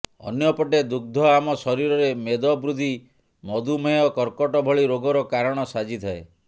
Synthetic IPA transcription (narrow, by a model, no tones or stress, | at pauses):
ɔ̰njɔpɔʈed̪uɡ̚d̪ʱɔamɔsɔɾiɾɔɾemed̪ɔbɾud̪ʱi | mɔd̪umejɔkɔɾkɔʈɔbʱɔɭiɾoɡɔɾɔkaɾɔɽ̃ɔsad͡ʒit̪ʰɔe